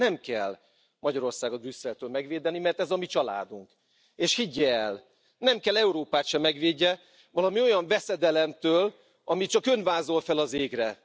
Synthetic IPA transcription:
ɛmkɛlː | mɒɟɒɾo̞rsaːɡɒbrysːɛlt̪øːlmɛɡveːd̪ɛnimɛrt̪ɛzɒmit͡ʃɒla̰ːd̪uŋk | eːʃhiɟːɛːl | nɛmkɛlɛuɾoːpaːt̪ʃɛmːɛɡʋeːɟːɛ | vɒlɒmio̞jɒɱvɛsɛd̪ɛlɛmt̪øːl | ɒmit͡ʃɒkønvaːzo̞lfɛlɒzeːɡrɛ

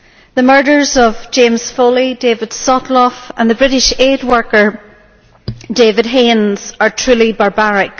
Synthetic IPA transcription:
ðəmɜ˞ɾə˞zəvd͡ʒẽmz̥folˠidevɪd̥sɔʔˡlˠɔfə̰̃nðəbɹɪɾɪʃed̚wɜ˞kə˞ | devɪd̚ɦẽnz̥ə˞tʰɹ̥ʉːlˠibaɹbaɹɪk

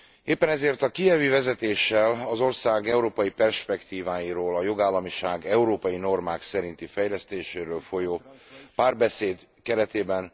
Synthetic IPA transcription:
eːpːɛnɛzeːrt̪ɒkijɛvyːvɛzɛt̪eːʃːɛlɒzo̞rsaːɡɛuɾoːpɒjipɛrʃpɛkt̪iːvaːjiɾoːlɒjo̞ɡaːlːɒmiʃaːɡɛuɾoːpɒjino̞rmaːksɛɾint̪ifɛjlɛst̪eːʃeːɾøːlfo̞joːpaːrbɛseːd̪ | kɛɾɛt̪eːbɛn

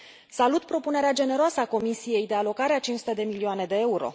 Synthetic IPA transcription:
salut̪pɾo̞pune̞ɾead͡ʒe̞ne̞ɾoasəako̞misije̞jd̪e̞alo̞kaɾeat͡ʃint͡ʃsut̪e̞d̪e̞milioane̞d̪e̞euɾo̞̰

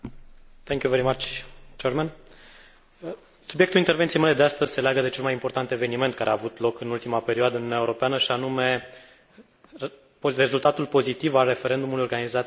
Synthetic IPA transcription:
t̪ʰɛ̃ŋkjuveɾimat͡ʃt͡ʃeɾman | subjek̚t̪ulint̪e̞ɾvent̪siejmeled̪east̪əzʲse̞leaɡəd̪e̞t͡ʃe̞lmajimpo̞rt̪ant̪e̞ve̞nime̞nt̪̚kaɾeaːvut̪lo̞kɨnult̪imape̞ɾioad̪əɨnunʲaeuɾo̞peanəʃianume̞ | re̞zult̪at̪ulpo̞zit̪ivalre̞fe̞ɾe̞nd̪umulujorɡanizat̪

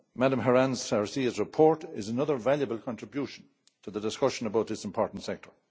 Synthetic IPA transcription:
maɾə̃mɦəɹãnz̥sɛɹsizɹɪpʰɔɹɾɪzənʌðə˞valjəbəlˠkʰɑ̃ntɹ̥ɪbjuʃə̃n̩ | tʰəðədɪskʌʃə̃nəbaʊt̪̚ðɪsɪ̃mpʰɔɹʔn̩tsɛk̚tʰə˞

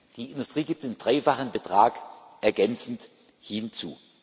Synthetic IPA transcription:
d̥iːɪndʊstʁ̥iːɡiːp̚td̥eːndʁaɪfaχənbətʁ̥aːkʔɛɐɡɛnt͡sn̩t | hint͡sṵː

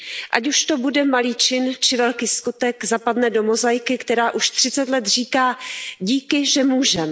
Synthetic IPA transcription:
ʔacuʃt̪o̞budɛmaliːt͡ʃɪnt͡ʃɪvɛlkiːskut̪ɛɡzapadnɛdo̞mozajkɪkt̪ɛɾaːʔuʃt̪r̝̥ɪt͡sɛt̪lɛt̪r̝iːkaːɟiːkɪʒɛmuːʒɛm

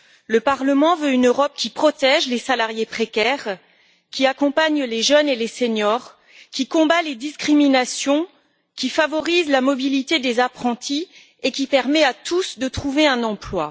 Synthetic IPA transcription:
ləpaʁləmɑ̃vøynøʁɔp̚kʲipχɔt̪ɛʒlesalaʁjepχekʲɛʁ | kʲiakɔ̃paɲleʒœneleseɲɔʁ | kʲikɔ̃baled̪iskχiminasjɔ̃ | kʲifavɔʁizlamɔbilit̪ed̪ezapχɑ̃t̪i | ekʲipɛʁmɛat̪usd̪ət̪χuveɛ̃nɑ̃plwa

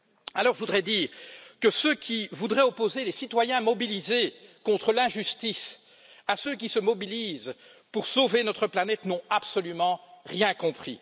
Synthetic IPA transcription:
alɔʁʒəvud̪ʁɛd̪iːʁkəsøkʲʰivud̪ʁɛɔpozelesit̪wajɛ̃mɔbilizekɔ̃t̪χəlɛ̃ʒyst̪is | asøk̬ʲisəmɔbiliz | puʁsovenɔt̪χəplanɛt̪nɔ̃apsɔlymɑ̃ʁjɛ̃kɔ̃pχḭ

